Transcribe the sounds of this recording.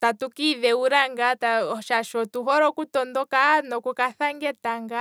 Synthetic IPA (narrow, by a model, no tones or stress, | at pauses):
tatukiβɛuɾaŋɡataʃaʃɔtuɦɔɾɔkutɔndɔkanɔkukaθaŋɡɛtaŋɡa